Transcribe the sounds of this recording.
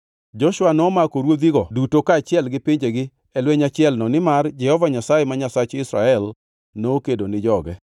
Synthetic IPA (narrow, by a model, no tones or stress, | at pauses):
d͡ʒɔʃwanɔːmakoɾwod̪iɡɔdutokaːt͡ʃɪɛlɡɪpiɲd͡ʒeɡɪ | ɛlwɛɲat͡ʃɪɛlnɔnɪmard͡ʒɛhɔvaɲasajemaɲasat͡ʃɪsɾaɛl | noːkedonɪd͡ʒɔɡɛ